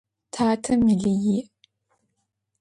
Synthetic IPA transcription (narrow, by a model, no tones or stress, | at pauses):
tʰaːtʰɐmiɮiji